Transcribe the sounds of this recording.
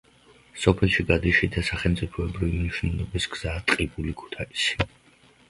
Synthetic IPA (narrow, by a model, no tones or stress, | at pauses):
sɔpʰɛlˠʃiɡad̪iʃid̪asaχɛlˠmt̪sʼipʰɔɛbɾivimniʃnɛlˠɔbisɡz̥aːt̪ʼqʼibulikʰu̥t̪ʰaisi̥